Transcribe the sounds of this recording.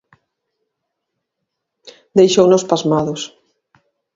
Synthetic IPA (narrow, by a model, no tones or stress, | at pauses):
d̪ejʃownospazmaðʊs